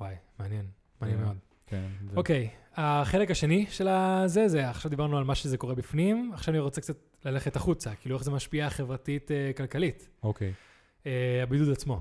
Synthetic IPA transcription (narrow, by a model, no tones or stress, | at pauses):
wajmeanjen | meanjenmeo̞d̪ | kenokejaχe̞lekaʃe̞niʃelazezeaχʃavd̪ibaʁnualmaʃezeko̞ʁebifnimaχʃavaniʁo̞t͡sekt͡sat | lale̞χetaχut͡sakiːlue̞χzemaʃpiaχe̞vʁatitekalkalitokej | eabidudat͡smo̞